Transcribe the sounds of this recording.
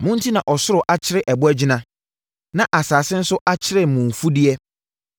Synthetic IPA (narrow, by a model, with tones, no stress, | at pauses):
mʊ̃˦n̩˦tʰi˦nã˨ʔɔ˨sʊ˦ɾʊ˨ʔa˨t͡ɕʰɪ˦ɾɪ˦ʔɛ˨bʊ˦ɛ˦d͡ʑɪ˦nã˦ | nã˨ʔa˨saː˨sɪ̃˦n̩˦sʊ˦ʔa˦t͡ɕʰɪ˦ɾɪ˨mʊ̃˨ɱ˨fu˦dɪ˦ɛ˦